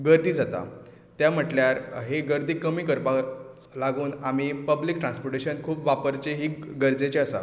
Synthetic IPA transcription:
ɡəɾd̪ʱiːd͡zat̪a̰ | t̪jam̤əʈljaɾɦeɡəɾd̪ʱiːkəmiːkəɾpa | laɡuːnamipəbliːk̚ʈɾãnspoɾʈeɕənkʰuːpʋapəɾt͡ɕeɦiːɡəɾd͡zet͡ɕeəsa̰

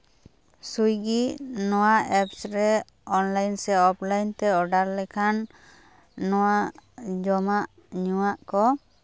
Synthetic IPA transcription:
sujɡiʔnɔwaɛpsɾɛ | ɔnlajnsɛɔplajnt̪ɛɔɖaɾlɛkʰanː | ɔwaʔʔd͡ʒɔmaʔ | ɲuwaʔkɔ

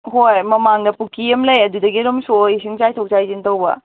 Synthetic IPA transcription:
ɦojmɐmaŋdɐpukiɐmlɐjɐdudɐɡiɾomsojsiŋt͡ʃajtʰɐwt͡ʃajzintɐwbɐ̰

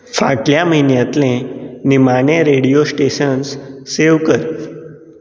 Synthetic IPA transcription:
fa̰ʈljaməɦinjãt̪lẽnimanẽɾeɽijosʈeɕənsseʋkəɾ

